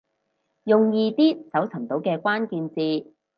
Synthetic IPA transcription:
jʊ˨ŋjiː˧t̪iː˥sɐ˨˥wt͡sʰɐ˨˩mt̪o˨˥wkɛː˧kʷaː˥nkiː˧nt͡siː˧

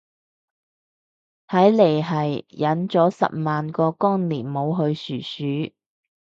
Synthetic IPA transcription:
hɐ˨˥jle˨˩jɦɐ˨jjɐ˨˥nt͡sɔː˨˥sɐ̰˨p̚maː˨nkɔː˧kɔː˥ŋliː˨˩nmo˨˧wɦɵ˧ɥsyː˨˩syː˨˥

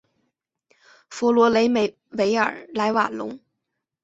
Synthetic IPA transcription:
fu˧˥lwɔ˧˥le˧˥ɪm˧ | we˧˥ɪə̰˞˨˩la˧˥ɪwa˨˩lʊ̰˧˥ŋ

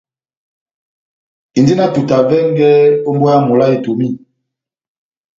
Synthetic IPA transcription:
i˨ndi˦na˦tu˨ta˨vɛ˦ŋɡɛ˦o˦mbu˦a˦mo˨la˦e˨to˨mi˦

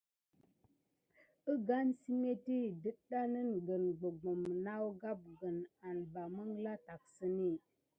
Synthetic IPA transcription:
ə˦ɡa˦nsi˦me˦ti˦˨də˦ɗa˦nə˦nɡə˨nɡ͡bə˨ɡ͡bo˨mna˦wɡa˦p̚ɡə˨na˨nba˨mə˦ŋla˦ta˨k̚sə˦ni˦˨

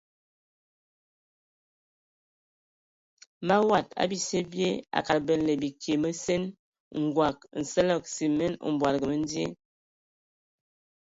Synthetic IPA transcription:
ma˦wa˦˨ta̰˦bi˦se˦bje˦a̰˨ka˨ɾbə˨n˨lə˨bi˨kʰe˨mə˦se˦n | ŋ̩˨ɡwa˨k̚n̩˨sə˦lɔ˦˨k̚si˨mɛ˦no̰˨m˨bwa˨ɾɡə˨mə˦n˦di˦e˦

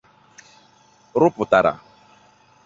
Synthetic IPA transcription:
ɾʊ˦pʊ˨ta˨ɾa̰˨

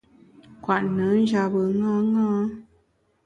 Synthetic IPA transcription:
kwa˨ʔnə̃˨˦n˦d͡ʒa˧bə˨ŋãː˦ŋãː˦

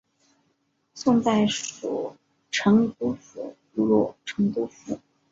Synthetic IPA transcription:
sʊ˥˧ŋt͡sa˥˩ɪʂu˨˩ | ʈ͡ʂʰɤ˧˥ŋt̪u˧˥fu˨˩ | u˧˥lɔ˥˧˩ʈ͡ʂʰɤ˧˥ŋt̪u˧˥fu˥˩

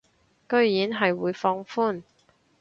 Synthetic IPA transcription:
kɵ˥ɥjiː˨˥nɦɐ˨jwuː˨˧jfɔː˧ŋfuː˥˩n

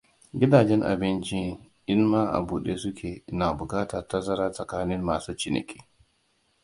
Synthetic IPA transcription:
ɡʲɪ˦daː˨d͡ʒɛ˦ŋʔa̰˨bɪ˦nt͡ʃi˦ | ʔɪ˦nmaː˦ʔa̰˨buː˨ɗeː˦sʊ˦kʲʰeː˨˦na˨bʊ˨kaː˦tɐ˨ta˦sɐ˦ɾa˦sʼɐ˨kaː˦nɪ˦mmaː˨suː˦t͡ʃɪ˦nɐ̰˨kʲʰe̥ː˦

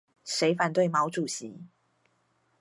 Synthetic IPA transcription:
ʂe˧˥ɪfa˨˩nt̪we˥˩ɪmɑ˧˥ʊʈ͡ʂu˨˩ɕi˨˦

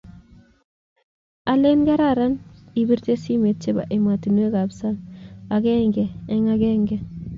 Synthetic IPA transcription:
a˨le˦nɡa˦ɾaɾa˦nibi˦ɾte˦si˦me˨t̚t͡ʃe˦ba̰˨ʔe˨ma˨ti˨nwe˦ka˨psa˦naɡɛ˦ŋɡɛ˨ɛ˦ŋa˦ɡɛŋɡɛ˨

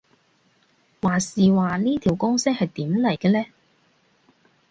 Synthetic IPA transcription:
waː˨˩siː˨waː˨niː˥t̪ʰiː˨˩wkʊ˥ŋsɪ˥k̚hɐ˨jt̪iː˨˥mlɐ˨˩jkɛː˧lɛː˥

